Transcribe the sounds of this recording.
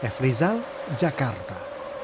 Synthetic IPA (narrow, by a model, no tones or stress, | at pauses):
efɾizal | ʒakaɾt̪a